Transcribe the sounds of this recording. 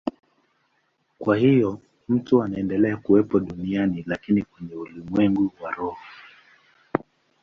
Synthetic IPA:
kwahijɔ | m̩tuanaɛndɛlɛakuwɛpɔɗunianilakinikwɛɲɛulimwɛŋɡuwaɾɔhɔ

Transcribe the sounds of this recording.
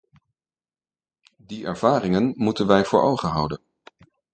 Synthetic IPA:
diɛ̰ɹv̥aːrɪŋənmutənʋɛjv̥ʊːɹʔowχəɦɑ̰wdən

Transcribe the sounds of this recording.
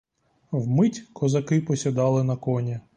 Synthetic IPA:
wmɪtʲkɔzɐkɪpɔsʲɐd̪ɑlˠɪnɐkɔnʲi

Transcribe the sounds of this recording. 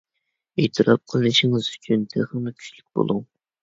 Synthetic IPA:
et̪ʰɨɾʔɑp̚qʰəlˠnɨʃiŋɨzy̥t͡ʃʰynt̪ʰæ̰ʁəmɨkʲʰy̥t͡ʃlyk̚ʲb̥o̰lˠuŋ

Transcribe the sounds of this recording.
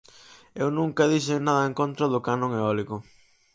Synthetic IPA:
ewnũŋkɐðiʃɪnaðɐẽŋkõnt̪ɾɐðʊkanõŋeɔlikʊ

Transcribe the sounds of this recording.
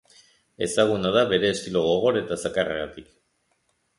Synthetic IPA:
e̞̰saɣ̞unað̞aβe̞ɾe̞ːskiloɣo̞ɣ̞o̞ɾe̞t̪asakareɣat̪ik

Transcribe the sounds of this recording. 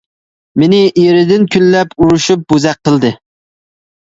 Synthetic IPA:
menɪʔeɾɪd̪ɪnkʲʰynːɛpuɾuʃup̚buzɛq̚qːəlˠd̪ɨ

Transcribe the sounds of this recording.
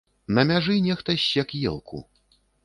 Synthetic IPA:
nɐmʲaʐɨnʲɛxt̪ɐɕʲɛkjɛ̰lˠkʰṵ

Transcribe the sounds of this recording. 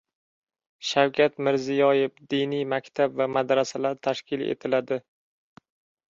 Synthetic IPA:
ʃawkʲʰat̪mɪɾzɪjɒjefd̪inijmakʲt̪ʰabvamad̪ɾasalaɾt̪ʰaʃkʲʰɪlḛt̪ʰɪlad̪ɪ

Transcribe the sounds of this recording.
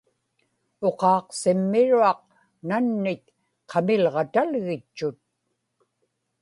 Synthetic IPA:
o̞qɑːqsɪmːɪɻuɑq̚ | nanːɪt̪̚ | qʰɑmɪlʁɑt̪alɣɪt͡ʃːʊt̪̚

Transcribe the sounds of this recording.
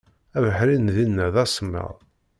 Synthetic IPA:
ævəħɾinðinːæðæsəmːə̰ʁˤ

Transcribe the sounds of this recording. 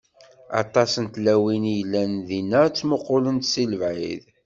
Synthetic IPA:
ɑ̰t̪ˤɑsənt̪læwinjlːænðinːæt͡sːmoqːolənt̪siləvʕḭð

